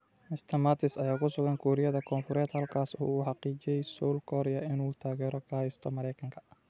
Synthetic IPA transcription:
mɪst̪ʰɐmat̪ʰɪsɐjaːkʰʊsʊɣɐŋkʰɔːɾɪjɐðɐkʰɔːnfʊɾɛːd̪hɐlkʰaːsɔ̰ːħɑqiːt͡ʃɛjsɔlkʰɔːɾɪjɐɪnuːt̪ʰaːɣɛːɾɔkʰɐhɛjst̪ʰɔmɐɾɛjkʰɐŋkʰɐ̥

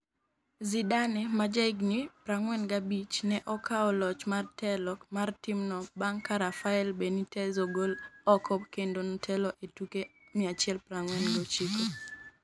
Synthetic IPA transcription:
zidanɛmad͡ʒaɪɡnipɾaŋwɛnɡabit͡ʃnɛʔɔkʰaɔlɔt͡ʃmartɛlɔkmartimnɔbaŋkaɾafaɛlbenitɛzɔɡolɔkʰɔpkendontʰɛlɔʔetukemɪat͡ʃɪɛlpɾaŋwɛnɡot͡ʃiko

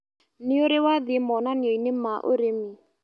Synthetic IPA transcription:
nɪoɾewaðɪmɔnanɪɔinemaʔo̰ɾemi

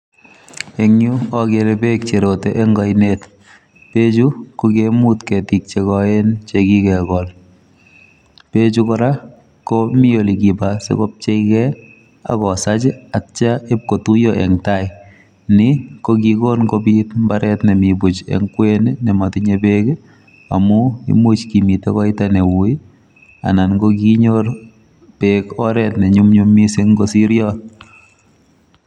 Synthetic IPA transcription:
eŋjuɔkeɾepek̚t͡ʃeɾoteʔeŋɡɔjnet | pet͡ʃukokemutkɛtik̚t͡ʃekɔent͡ʃekikɛkɔl | pet͡ʃukɔɾa | komɪolikibasḛkop̚t͡ʃeikɛ | a̰kɔsat͡ʃɪat͡ʃaep̚kotujoʔɛ̰ŋtaj | nɪkokikonkobitmbaɾɛtnɛmibut͡ʃɛ̰ŋkwenenɛmatɪɲebeːk | a̰mʊḭmut͡ʃkimitɛkɔɪtanewui | a̰nanɡokiɲor | peːkɔɾɛtnɛɲʊmɲumːisɪŋɡosiɾjɔ

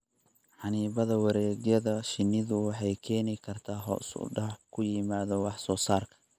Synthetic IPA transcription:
ħɑniːβɐðɐwɑɾɛːɣjɐðɐʃɪnːɪðʊwɑħɑjkʰɛːnɪkʰɐrt̪ʰaːɦɔ̰sʊ̰ɖɐħkʰʊjɪmaːðɔwɑħsɔːsaːrkʰɐ̥

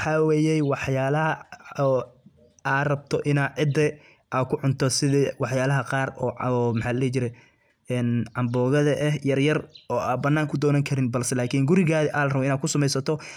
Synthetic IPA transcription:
wħɑːweːjɛjwɑħjaːlɐɦɐː | aːrɐb̚t̪ʰɔʔɪnaːʕɪd̪ɛ | ʔaːkʰʊʕʊnt̪ʰɔsɪðɐwɑħjaːlɐɦɐqɑːrɔːmħaːllɛːt͡ʃɪɾɛ | ɛːnʕɑmbɔːɣɐðɐʔɛhjɐrjɐrɔːaːbɐnːaːŋkʰʊd̪ɔːnɐŋkʰɐɾɪnbɐlsɛlaːkʰiŋɡʊɾɪɣaːðɪʔaːlɐrɐβɔɪnaːkʰʊsɐmɛjsɐt̪ʰɔ

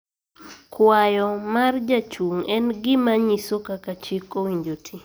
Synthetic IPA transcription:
kwajɔmard͡ʒat͡ʃuŋɛnɡɪmaɲisokakat͡ʃɪkowiɲd͡ʒotʰi

